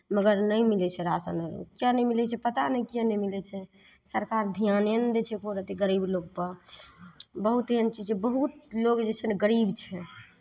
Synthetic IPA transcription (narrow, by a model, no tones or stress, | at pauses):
məɡəɾnəjmilɛt͡ʃʰɛɾasə̰nəɾṵkjãnɛmilɛt͡ʃʰɛpət̪anəkijãnɛmilɛt͡ʃʰɛ | səɾkaɾd̪ʱijanend̪et͡ʃʰɛkoɾət̪iɡəɾibloɡ̚pəɾ | bəɦut̪eənt͡ʃid͡ʒebəɦut̪̚loɡd͡ʒɛt͡ʃʰɛneɡəɾibt͡ʃʰɛ